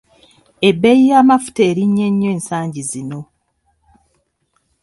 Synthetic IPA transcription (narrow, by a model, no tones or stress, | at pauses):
e̞bːejijaːmafu̥teːɾiɲːe̞ɲːo̞eːnsaːɲɟizino̞